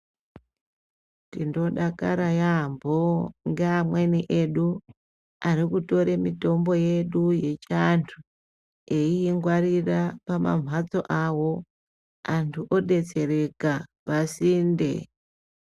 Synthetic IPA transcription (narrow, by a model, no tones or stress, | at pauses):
tindo̞ɗaka̰ɾajamboŋɡeamwe̞niʔe̞ɗu | aɾikuto̞ɾe̞mito̞mbo̞je̞ɗuje̞t͡ʃantʰu | e̞ijeŋɡwarirapama̰ɱ̤ʱwad͡zo̞ʔawo̞ | antʰuʔo̞ɗe̞t͡se̞re̞kapasiːndḛ